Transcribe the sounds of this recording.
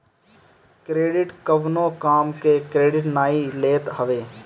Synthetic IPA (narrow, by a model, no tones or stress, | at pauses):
kɾeːɖɪʈkəʋnõːkaːmkekɾeːɖɪʈnaːileːt̪ɦəʋeː